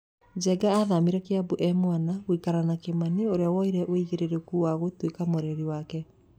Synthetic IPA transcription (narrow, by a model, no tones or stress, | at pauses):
d͡ʑɛɡaːðamiɾɛkeabuʔɛmwanaɣwikaɾanakemanioɾeawɔiɾɛʔoiɣeɾeɾekuwaɣotwekamoɾeɾiwakɛ